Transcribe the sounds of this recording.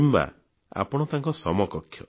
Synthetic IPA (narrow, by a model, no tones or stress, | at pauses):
mba̰ | a̰pɔɽ̃ɔt̪aŋkɔsɔmɔkɔkʰːjɔ